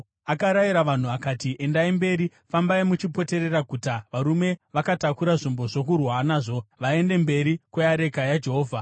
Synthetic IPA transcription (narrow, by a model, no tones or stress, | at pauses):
akaɾaiɾaʋan̤uʋakatiʔe̞ndaimbe̞ːɾi | fambaimut͡ʃipo̞te̞ɾeraɡʱutaʋaɾume̞ʋakatakuɾaʐimbo̞ʐokurwanaːʐo̞ʋae̞nde̞mbe̞ɾikwejaɾe̞kajad͡ʒe̞ɦoːvʱa